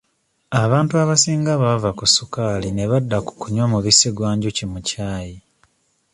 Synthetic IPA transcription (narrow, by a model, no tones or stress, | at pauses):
aβaːntuaβasiːŋɡaβavakusukaːlineβadːaku̥kuɲwamuβisiɡwaːɲɟucimucaːji